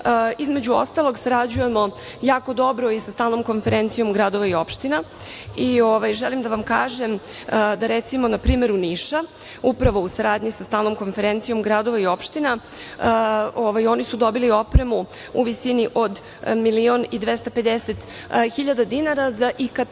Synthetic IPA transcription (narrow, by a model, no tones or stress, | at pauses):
izme̞d͡ʑuo̰st̪alo̞ɡsaɾad͡ʑuje̞mo̞ | jaːko̞d̪o̞bɾo̞isast̪aːlno̞mko̞nfe̞ɾʔent̪sijo̞mɡɾad̪oʋaio̞pʃt̪ina | ioʋajʒelimd̪aʋamkaːʒem | d̪aɾet̪simo̞napɾiːme̞ɾuniʃa | upɾaʋo̞usaɾaːd̪ɲisast̪aːlno̞mko̞nfe̞ɾent̪sijo̞mɡɾad̪oʋaio̞pʃt̪ina | oʋajo̞nisud̪o̞bilio̞pɾe̞mu | ṵʋisiniʔo̞d̪ | milionid̪ʋest̪ape̞d̪eset̪ | xiʎad̪ad̪inaɾazaʔikad̪